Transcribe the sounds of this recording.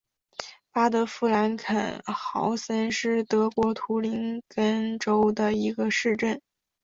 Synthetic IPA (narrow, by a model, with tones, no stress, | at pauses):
pa˥d̪ə˧fu˥˩la˧˥nkʰə̰˨˩nxɑ̰˧˥ʊsə˥nʂɻ̩˥˩t̪ɤ˧˥kwɔ˧˥t̪ʰu˧˥li˧˥nkə˥nʈ͡ʂo˥ʊd̪ə˨i˧˥ɡə˧ʂɻ̩˥˧ʈ͡ʂə˥˩n